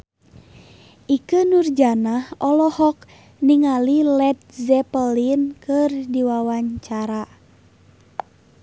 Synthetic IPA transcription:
ʔikənurd͡ʒanahɔlɔhɔk̚ | niŋalilɛt̪̚zɛpəlinkɨrdiwawaɲt͡ʃaɾa

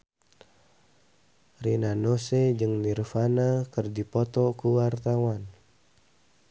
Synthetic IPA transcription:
rinanosɛd͡ʒɨŋnirfanakɨrdipɔt̪ɔkuwart̪awan

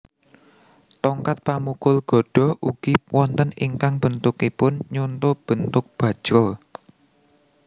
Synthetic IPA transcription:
t̪ɔŋkat̪̚pamukʊlɡ̥ɔ̤ɖ̥ɔ̤ʔuɡ̥iwʔɔnt̪əniŋkaŋb̥ə̤nt̪ʊkipʊnɲunt̪ob̥ə̤nt̪ʊk̚b̥ä̤̥ʒ̥ɾɔ

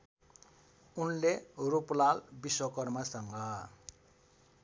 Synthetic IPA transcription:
unleruplalbiswʌkʌrmasʌŋɡʌ

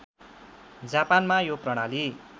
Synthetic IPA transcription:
d͡zapanmajoprʌɽ̃ali

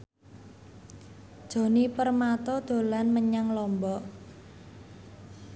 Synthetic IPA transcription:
d̥ʒ̥o̤nipərmat̪ɔd̪̥o̤lanməɲaŋlɔmbɔʔ

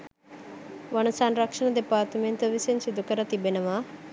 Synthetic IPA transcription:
ʋɐnɐsanɾɐkʂɐɳɐd̪epaːt̪əment̪əʋisensid̪ukəɾɐt̪ibenɐʋa

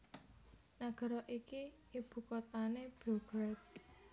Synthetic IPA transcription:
naɡ̥a̤ɾɔʔiki | ib̥ṳkɔt̪aneb̥uɡɾɛt̪̚

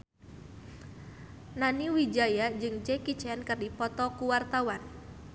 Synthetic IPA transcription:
naniwid͡ʒajad͡ʒɨŋd͡ʒɛkit͡ʃɛnkɨrdipɔt̪ɔkuwart̪awan

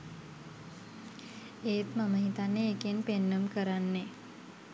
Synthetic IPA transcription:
eːt̪maməɦit̪anːeːkenpenːəmkəɾanːe

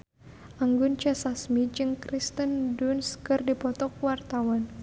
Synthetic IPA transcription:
ʔaŋɡʊnt͡ʃɛsasmid͡ʒɨŋkɾist̪əndunskɨrdipɔt̪ɔk̚wart̪awɔn

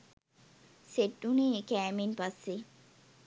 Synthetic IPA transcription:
sedːunikæːminpɐsːi

